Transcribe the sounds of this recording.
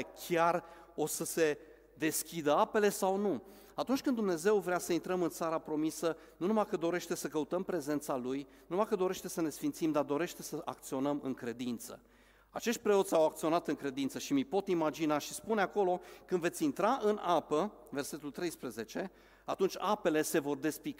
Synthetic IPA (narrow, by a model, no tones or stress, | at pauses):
kʲʰaro̞səse̞ | d̪e̞skʲid̪əape̞le̞sawnu | at̪unt͡ʃkɨnd̪umne̞ze̞wvɾeasəint̪ɾəmɨnt̪saɾapɾo̞misənunumajkəd̪o̞ɾe̞ʃt̪e̞səkəut̪əmpɾe̞ze̞nt̪salujnunumakəd̪o̞ɾe̞ʃt̪e̞səne̞sfint̪simd̪ard̪o̞ɾe̞ʃt̪e̞səʔak̚t̪sio̞nəmɨ̰ŋkɾe̞d̪int̪sə̰ | at͡ʃe̞ʃt̪̚ʲpɾe̞o̞t̪sʲawak̚t̪sio̞nat̪ɨŋkɾe̞d̪int̪səʃimipo̞t̪imad͡ʒinaʃispuneako̞lo̞kɨnd̪ve̞t̪sʲint̪ɾaʔɨnapə | ve̞rse̞t̪ult̪ɾejspɾəze̞t͡ʃe̞ | at̪unt͡ʃʲape̞le̞se̞vo̞rd̪e̞spik